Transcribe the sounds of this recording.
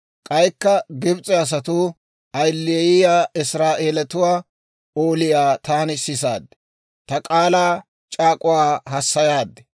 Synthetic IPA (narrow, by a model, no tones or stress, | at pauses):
kʼɐjkːɐɡɪbt͡sʼɛɐs̬ɐt̪ʊ | ɐjlːɪjɪjaːʔɪsɾaːʔe̞ːlɛt̪ʊwaː | oːlɪjaːt̪aːnɪsɪs̬a̰ːd̪ːɛ̥ | t̪ɐkʼaːlaː | t͡ʃʼaːkʼʊwaːɦɐsːɐjaːd̪ːɛ̥